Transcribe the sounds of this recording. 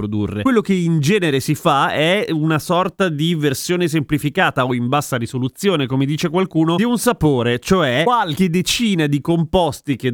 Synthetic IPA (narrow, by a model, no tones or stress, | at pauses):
ɾod̪ṵrːḛkwelːokeind͡ʒɛːneɾesifaɛunasɔrt̪ad̪iversjoːnesemplifikaːt̪aoimbasːaɾisolut̪sjoːnekomed̪iːt͡ʃekwalkuːnod̪iunsapoːɾet͡ʃoɛwalk̟ed̪et͡ʃiːnad̪ikompɔst̪ike